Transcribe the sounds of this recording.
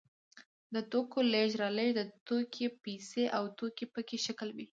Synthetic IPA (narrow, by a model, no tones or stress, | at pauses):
d̪ət̪okoleʒɾɑləjd̪ət̪okʰepiseʔawt̪okepəkeʃakəlwi